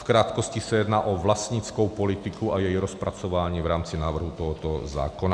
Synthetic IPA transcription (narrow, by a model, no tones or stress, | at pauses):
fkɾaːt̪kɔscisajɛd̪naːʔɔʋlast̪ɲit͡skɔwpɔlit̪ikuajɛjɾɔspɾat͡sɔʋaːɲiːvɾaːmt͡sinaːʋr̩ɦut̪ɔɦɔt̪ɔza̰ːkɔna